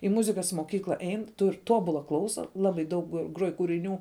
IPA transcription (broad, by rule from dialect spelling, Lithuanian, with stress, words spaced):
ɪ ˈmʊzʲɪkɐs moːˈkʲiːklˠɐ ˈɛɪn tʊrʲ ˈtoːbʊlˠɐ ˈklˠɐʊsɐ ˈlˠɑːbɐɪ dɐʊk ˈɡruɔj kuːrʲɪˈnʲuː